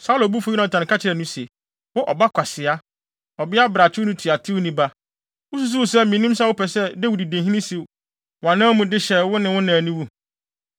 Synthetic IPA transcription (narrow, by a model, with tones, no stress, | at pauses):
sa˦lo˨bu˦fo˨˦i˦nã˨tʰã˨n˨ka˦t͡ɕʰɪ˨ɾɛ˨nʊ̃˦se˨ | wʊ˦ʔɔ̰˨ba˦kʷʰa˨sɪ˨a˦ | ɔ˨bɪ˦a˦bɾa˨t͡ɕʰᶣɪ˦nʊ̃˦tʰi˨a˨tʰɪ˦wnĩ˦ba˦ | wʊ˦su˦s̬u˦wsɛ˦mĩ˨˦nũ˦m˦s̬a˦wʊ˦pʰɛ˨sɛ˦da˦wi˨di˨dẽ˨ɦĩ˦nĩ˦si˨w | wã˨nãː˦mũ˨dɪ˦ɕɛ˨wʊ˦nɪ̃˨wʊ̃˦nãː˨nĩ˦wu˦